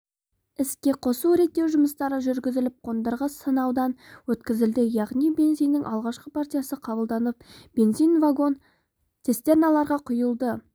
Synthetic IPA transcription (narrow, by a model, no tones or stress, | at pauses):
ɪskʲe̞qʰo̞suɾe̞t̪ːewʒʊməst̪ɑɾəʒʏɾɡʲɪzɪlɪp̚qʰo̞nd̪əɾʁəsənɑwd̪ɑnwɵt̪kʲɪzɪld̪ɪjɑʁnijbe̞nzijnːɪŋʔɑlˠʁɑʃqəpʰaɾt̪ʲijasəqʰɑbəlˠd̪ɑnəp̚b̥e̞nzijnvaɡo̞n | t̪ʰʲe̞st̪e̞ɾnɑlˠɑɾʁɑqʰʊjəlˠd̪ə